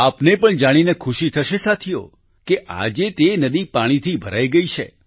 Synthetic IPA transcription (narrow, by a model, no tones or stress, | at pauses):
apnepəɳd͡ʒaɽ̃inekʰuʃit̪ʰəʃesat̪ʰijo̰ | keʔa̰d͡ʒet̪enəd̪ipaɽ̃it̪ʰibʱəɾajɡəit͡ʃʰḛ